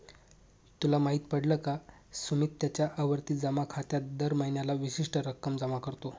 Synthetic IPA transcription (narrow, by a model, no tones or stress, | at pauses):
t̪ulamaɦiːt̪pəɽləka | sumiːt̪ːjat͡ɕjaʔaʋəɾt̪iːd͡zəmakʰat̪jat̪̚d̪əɾməɦinjalaʋiɕiʂʈəɾəkːəmd͡zəmakəɾt̪o